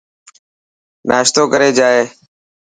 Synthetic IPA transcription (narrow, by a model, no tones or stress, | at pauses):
nʔaːʃt̪oːkəɾeːd͡ʒaːeː